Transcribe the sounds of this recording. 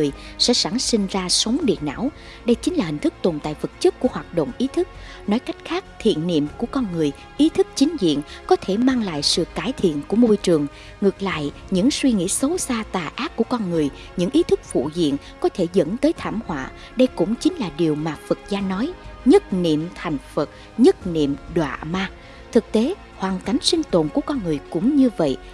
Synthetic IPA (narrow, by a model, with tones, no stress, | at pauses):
ɨ˨˩əj | sɛ̰˧˥sa˧˩ŋsï˧ŋ̟zaː˧sə˨˦wŋ͡mɗḭ˧˨ənʔa̰ː˧˥w | ɗə˧jt͡ɕï˨˦ŋ̟laː˨˩hï˨˩ŋ̟t̪ʰɨ˦˥k̚t̪o˨˩nt̪a̰ː˧˨jvə˨˩t̚t͡ɕə˦˥k̚kːu˧˩əhwaː˨˩t̚ɗo̰˧˨wŋ͡mʔi˨˦t̪ʰɨ˦˥k̚ | nɔ˨˦jka˦˥jk̟xaː˦˥k̚t̪ʰḭ˧˨ənːḭ˧˨əmku˧˩əkɔ˧nŋɨ˨˩əj | ʔi˨˦t̪ʰɨ˦˥k̚t͡ɕï˨˦ŋ̟zḭ˧˨ənkɔ˨˦t̪ʰe˧˩maː˧ŋla̰ː˧˨jsɨ̰˧˨kaː˧˩jt̪ʰḭ˧˨ənku˧˩əmo˧jt͡ɕɨ˨˩əŋ | ŋɨ˨˩ək̚la̰ː˧˨jɲɨ̰˧˥ŋswi˧ŋḭ˧˥sə˨˦wsaː˧t̪aː˨˩ʔaː˦˥p̚kːu˧˩əkɔ˧nŋɨ˨˩əj | ɲɨ̰˧˥ŋʔi˨˦t̪ʰɨ˦˥k̚fṵ˧˨zḭ˧˨ən | kɔ˨˦t̪ʰe˧˩zə̰˧˥nt̪əː˨˦jt̪ʰaː˧˩mhwa̰ː˧˨ | ɗə˧jkʊ̰˧˥ŋ͡mt͡ɕï˨˦ŋ̟laː˨˩ɗi˨˩əwmaː˨˩fɨ˨˩k̚zaː˧nːɔ˨˦jɲə˦˥t̚nḭ˧˨əmt̪ʰa˨˩jŋ̟fə˨˩t̚ | ɲə˦˥t̚nḭ˧˨əmɗwa̰ː˧˨maː˧ | t̪ʰɨ˨˩k̚t̪e˨˦ | hwaː˨˩nka˨˩jŋ̟sï˧ŋ̟t̪o˨˩nku˧˩əkɔ˧nŋɨ˨˩əjkʊ̰˧˥ŋ͡mɲɨ˧və̰˧˨jʔ